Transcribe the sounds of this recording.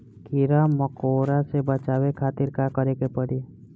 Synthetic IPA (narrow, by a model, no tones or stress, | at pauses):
kɪɾaməkoːɾasebət͡ʃaːwekʰaːt̪ɪɾkakəɾekepəɽiː